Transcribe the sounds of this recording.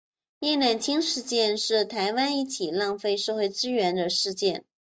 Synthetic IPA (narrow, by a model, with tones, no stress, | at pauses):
jɛ˥˧na˥˩nt͡ɕʰi˥ŋʂɻ̩˥˧t͡ɕjɛ˥˧nʂɻ̩˥˩t̪ʰa˧˥ɪwa˥ni˥˩t͡ɕʰi˨˩lɑ˥˧ŋfe˥˧ɪʂɤ˥˧xwe˥˩ɪʈ͡ʂɻ̩˥ɥɛ˧˥nd̪ə˧ʂɻ̩˥˧t͡ɕjɛ˥˩n